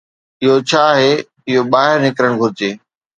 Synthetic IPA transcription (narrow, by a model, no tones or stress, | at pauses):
ɪɦot͡ɕʰaːɦeː | ɪɦoɓaːɦɪɾnɪkɾəɽ̃ɡʱʊɾɪd͡ʑeː